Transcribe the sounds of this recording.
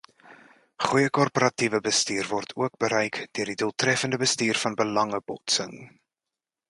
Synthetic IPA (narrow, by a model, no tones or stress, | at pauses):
χujəkɔrpəɾɐtivəbəstiːrvɔrtʰuək̚bəɾœjkd̥øərdiduəlˠtrɛfəndəbəstiːrfɐnbəlɐŋəbɔtsə̰ŋ